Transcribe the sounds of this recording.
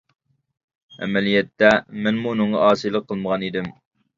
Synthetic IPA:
ɛ̰mɛlijɛt̪ʰːɛmænmuːnɨɴʁɑ̰ʔɑːsɨjlˠəqʰːəlˠməʁɑnid̪ɪm

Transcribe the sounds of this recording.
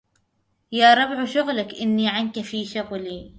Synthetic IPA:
jaːɾˤɑbʕʃʊɣlakʔɪnːiʕankafiːʃʊɣliː

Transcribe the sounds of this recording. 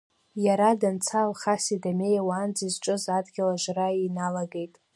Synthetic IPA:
jaɾadant͡sʰalχasidame̞jawaːnd͡zizʈ͡ʂʼɨzadɡʲalaʒʷrainalaɡe̞jtʼ

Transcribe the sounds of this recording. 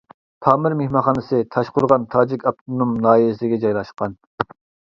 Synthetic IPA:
t̪ʰɑːmɪɾmehmɑnχɑːnɨsɨt̪ʰɑʃqʊɾʁɑnt̪ʰɑːd͡ʒikʲʰɑp̚t̪ʰonumnɑːɦilɪsɪɪɡʲɛd͡ʒɑjlˠɑʃqɑn

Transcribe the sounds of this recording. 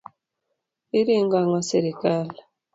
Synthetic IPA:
iɾiŋɡaŋasiɾikale

